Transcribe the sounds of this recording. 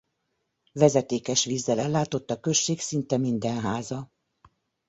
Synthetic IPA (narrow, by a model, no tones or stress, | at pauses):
vɛzɛt̪eːkɛʃʋiːzːɛlɛlːaːt̪o̞t̪ːɒkø̞ʃːeːksint̪ɛmind̪ɛnɦaːzɒ